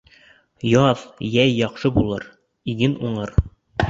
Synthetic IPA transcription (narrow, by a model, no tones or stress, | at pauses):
jɑðjæjːɒqʃɤbulˠɤ̰ɾ | iɡɘnuɴɤɾ